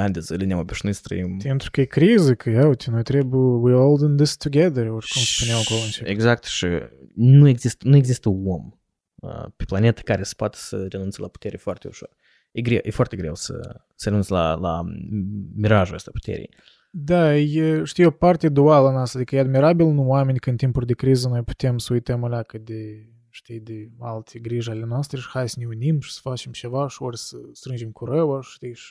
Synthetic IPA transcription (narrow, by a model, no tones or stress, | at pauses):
and̪ezəlineamobʲiʃinojsə̥t̪ɾə̰impent̪ɾukəjekɾizəkʰəjawt̪ʲinojt̪ɾebujwiolˠd̪ə̃nd̪ɪst̪ʰuɡɛðəɾoɾkumspuneaakoloɨnt͡ʃeeɡzak̚t̪ʃḭnuje̞ɡzist̪ənuje̞ɡzist̪əom | ə̰peplane̞t̪ə̥kaɾesə̥poat̪ə̥səɾe̞nunt̪səlapu̥t̪eɾefoart̪eṵʃo̞̰r | jeɡɾewjʔefoart̪ʲe̞ɡɾewsə̰ | səɾeunsla̰la̰ | miɾaʒuə̰st̪apu̥t̪ʰḛɾʲḭj | d̪ajeʃt̪ijopart̪ʲed̪ualəanoast̪ad̪ikəjead̪miɾabilnuwame̞nʲkəɨnt̪impulʲd̪e̞kɾizənojpu̥t̪emsəujt̪əmalʲakəd̪e | ʃt̪ijd̪ealt̪ʰʲeɡɾiʒale̞noast̪ɾeʃi̥xajsəneunimʃi̥sə̥fat͡ʃe̞mt͡ʃe̞vaʃiorʲsəst̪ɾɨnd͡ʒemkuɾəwə̥t̪ijʃi̥